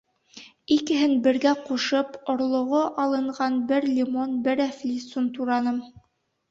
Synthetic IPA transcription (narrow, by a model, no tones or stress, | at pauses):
ikɘ̆ɦɘnbɘ̆ɾɡæquʃɤpŏɾlˠŏʁoʔɑlˠɤ̆ɴʁɑnbɘɾlʲimonbɘɾæflʲisunt̪uɾɑnɤm